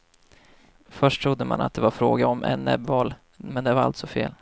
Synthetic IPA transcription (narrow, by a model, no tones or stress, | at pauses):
fœʂʈʰɾʊd̪ːəma̰nat̪d̪ɛvaɾfɾoːɡaɔmʔɛnːɛ̰bvɑl | mɛnd̪ɛvaɾa̰lt̪sɔfeːl